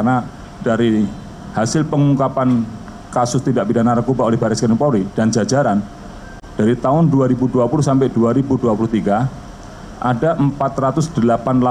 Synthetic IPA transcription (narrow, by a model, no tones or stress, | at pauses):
karna | daɾi | hasɪlpəŋukapan | kasʊst̪idaʔbidanaɾəkubaolɛhbaɾɪskənipoɾid̥and͡ʒad͡ʒaɾan | d̥aɾit̪aʊnduaɾibuduapuluhsampɛʔduaɾibuduapuluht̪iɡa | ʔadaʔəmpat̪rat̪ʊsd̥əlapanla